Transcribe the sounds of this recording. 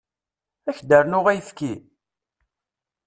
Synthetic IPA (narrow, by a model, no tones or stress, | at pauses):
æçd̪əɾnʊʁæjθki